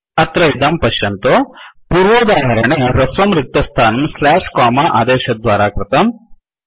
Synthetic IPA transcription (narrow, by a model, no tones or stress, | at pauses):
ɐt̪ɾɐid̪ɐmpɐʃjɐnt̪opuːɾʋɐd̪aːɦɐɾɐɳeɾɐsʋɐmɾɪk̚t̪ɐst̪ʰaːnɐmslaːʂkaːmaʔa̰ːd̪eːʃɐd̪ʋaːɾaːkɾɪt̪ɐm